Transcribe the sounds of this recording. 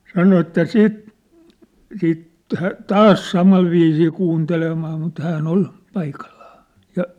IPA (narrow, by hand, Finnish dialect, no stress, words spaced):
sɑno etːæ siːt siːt tɑ̥ tɑːs sɑmɑl ʋiːsiː kuːntelemɑː mut hæːʔn ol pɑikɑlːɑ̥ː jɑ